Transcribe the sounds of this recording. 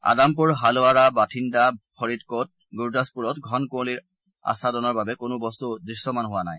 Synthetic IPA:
a̰damp̬uɹɦalʊaɹabatʰindapʰɔɹitkɔt̚ | ɡuɹdaspuɹɔtɡʱɔnkoliɹ | a̰sadɔnɔɹbabɛkʊnʊbɔstudɹisːɔmanɦʊwanaj

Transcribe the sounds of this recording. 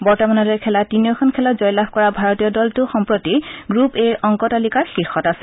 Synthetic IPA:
bɔɹtɔmanɔdɛkʰɛlatinijɔkʰɔnkʰɛlɔtzɔjlabkɔɹabʱaɹɔtijɔdɔltʊxɔmpɹɔtiɡɹupeɹʔɔŋkɔtalikaɹxixɔtasɛ̥

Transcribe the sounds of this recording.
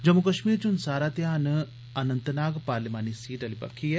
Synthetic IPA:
d͡ʒɐmːukɐʃmiːɾt͡ʃʊnsaːɾaːt̪ejaːn | ɐnə̃nt̪naːɡpaːɾlimaːnisiːʈɐlipɐ̰kʰːiɦɛː

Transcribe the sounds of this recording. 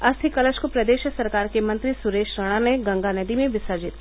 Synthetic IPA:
ɐst̪ʰikɐləʃkopɾɐd̪eːʃsɐɾkaːɾkemɐ̃nt̪ɾisʊɾeːʃɾəɽ̃aneɡɐ̃ŋɡaned̪imẽʋɪsəd͡ʒɪt̪

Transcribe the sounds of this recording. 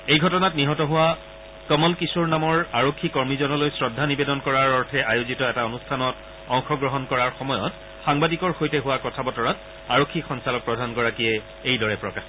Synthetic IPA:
ejɡʱɔtɔnatniɦɔtɔɦʊwa | kɔmɔlkisuɹnamɔɹaɹokʰːikɔɹmizɔnɔlojsɹɔdʱːanibedɔnkɔɹaɹɔɹtʰɛʔajuzitɔɛtaɔnustʰanɔt | ɔŋxɔɡɹɔɦɔnkɔɹaɹxɔmɔjɔ̰t | xaŋbadikɔɹxojtɛɦʊwakɔtʰabɔtɔɹat | aɹokʰːixɔnsalɔk̚pɹɔdʱanɡɔɹakijɛ | ejdɔɹɛpɹɔkax

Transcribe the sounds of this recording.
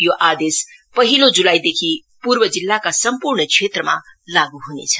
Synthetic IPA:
joʔad̪es | pʌɦilod͡zulajd̪ekʰi | puɾbʌd͡zilːakasʌmpuɾɳəkt͡ʃʰet̪ɾəma̰laɡuɦunḛt͡sʰʌ̥

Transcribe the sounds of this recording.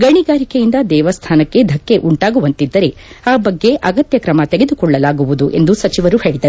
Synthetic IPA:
ɡɐɳiɡaːɾikejind̪ɐd̪ɛːʋɐst̪ʰaːnɐkːe̞d̪ʱɐkːe̞ʔuɳʈaːɡuʋɐnt̪id̪ːɐɾe̞ | aːbɐɡːe̞ʔɐɡɐt̪jɐkɾɐmɐt̪eɡe̞d̪ukɔɭːɐlaːɡuʋud̪uʔe̞̰nd̪usɐt͡ʃiʋɐɾuhe̞ːɭid̪ɐɾ

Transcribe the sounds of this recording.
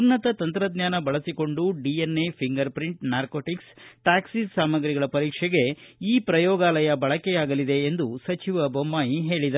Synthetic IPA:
unɐt̪ɐt̪ɐnt̪ɾɐd̪ɲjaːnɐbɐɭɐsiko̞ɳɖuɖienːepʰiŋɡɐɾpɾiɳʈnaːɾkoːʈiksʈaːksissaːmɐɡɾiɡɐɭɐpɐɾiːkʂɛɡe̞iːpɾɐjɔːɡaːlɐjɐbɐɭɐkejaːɡɐlid̪e̞ːnd̪usɐt͡ʃiʋɐbɐmːaːjiɦe̞ːɭid̪ɐ

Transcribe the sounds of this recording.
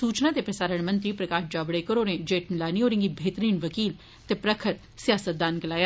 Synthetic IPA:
suːt͡ʃnaːt̪eːpɾəsaːɾəɳmə̃nt̪ɾiːpɾəkaːʃd͡ʒaːbɽekəɾoːneːd͡ʒeːʈnlaːniɦoːɾɪ̃ŋɡibʱeːt̪əɾiːnʋəkiːl | t̪eːpɾəkʰəɾ | sɪjaːsət̪̚d̪aːnkəlaːjaː

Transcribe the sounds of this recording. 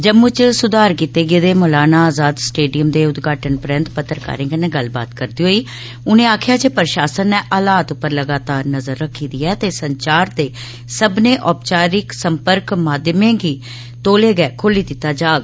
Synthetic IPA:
d͡ʒəmːʊt͡ʃsʊd̪aːɾkiːt̪eːɡeːd̪eːmɔːlaːnaːaːzaːd̪sʈeːɖijəmd̪eːʊt̪ɡaːʈənpɾɛ̃nt̪pət̪ːəɾka̰ːɾẽːkəneːɡəlba̰ːt̪kəɾd̪iːɦoːiː | ʊnẽːaːkʰjaːd͡ʒeːpəɾʃaːsənːɛːʔaːlaːt̪ʊpːəɾləɡaːt̪aːɾnəzəɾːəkʰːiːd̪iːɛːt̪eːsəɲt͡ʃaːɾt̪eː | səbneːʔɔːpt͡ʃaːɾɪksəmpəɾkmaːd̪mẽːɡiː | t̪oːleːɡɛːkʰoliːd̪ɪt̪ːaːd͡ʒaːɡ

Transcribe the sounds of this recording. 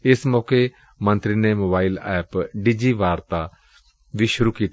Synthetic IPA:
ɪsmɔːke | mɐ̃nt̪ɾinemoːbaːɪlɛːpɖiːd͡ʒiːʋaːɾt̪a | ʋiːʃʊɾukiːt̪

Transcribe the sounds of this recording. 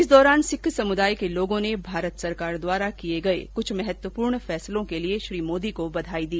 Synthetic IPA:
ɪsd̪ɔːɾaːnsɪkʰːsɐmʊd̪aːikeloːɡõnebʱaːɾət̪sɐɾkaːɾd̪waːɾakieɡɐḛkʊt͡ʃʰmɛɦɛt̪wəpuːɾɳfɛːslõkelieʃɾiːmoːd̪ikobɐd̪ʱaːid̪iː

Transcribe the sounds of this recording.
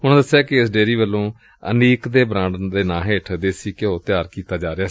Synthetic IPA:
ɦʊñːd̪əsːjaːkɪɪsɖeːɾiːʋəlːõː | ə̰niːkd̪eːbɾãːɳɖd̪eːnãːɦeːʈʰːd̪eːsiːkeoːt̪ɪjaːɾkiːt̪aːd͡ʒaːɾɪaː

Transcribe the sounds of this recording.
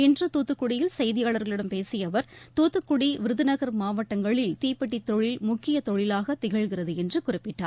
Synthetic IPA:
ɛndrɯt̪uːt̪ːɯkːʊɽɪjɪlsɐjðɪjaːɭɐɾɣɐɭɪɽɐmpeːsɪjɐʋɐɾt̪uːt̪ːɯkːʊɽiʋɪɾɯðɯnɐɣɐɾmaːʋɐʈːɐŋɡɐɭɪlt̪iːpːɐʈːit̪ːɔɭɪlmʊkːɪjɐt̪ɔɻɪlaːɣɐt̪ɪɣɐɭɣɪrɐðɯɛndrɯkʊrɪpːɪʈːa̰ːɾ

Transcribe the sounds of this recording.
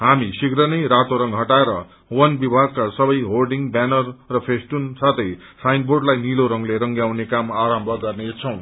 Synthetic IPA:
ɦamisiɡɾʌnʌjɾat̪oɾʌŋɡɦʌʈaeɾʌ | wʌnbibʱaɡ̚kasʌbʌjɦolɖiŋbanʌrːʌpʰesʈunsʰat̪ʰʌj | sajndborɖlajniloɾʌŋleɾʌŋɡjawnekamaɾʌmbʱʌɡʌrnet͡sʰʌw̃

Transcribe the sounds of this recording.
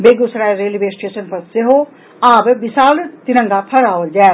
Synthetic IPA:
beːɡusɾaːeɾeːliʋeːsʈeːʃənpɐɾseɦoː | aːbbɪsaːlt̪ɪɾə̃ŋɡapʰɐɾaːʋəld͡ʒɛː

